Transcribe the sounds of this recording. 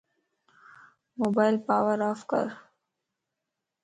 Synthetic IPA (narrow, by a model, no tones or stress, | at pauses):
moːbaːjlpaːwəɾaːfkə̰ɾ